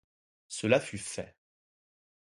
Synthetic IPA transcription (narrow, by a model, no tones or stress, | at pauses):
səlafyfɛ̰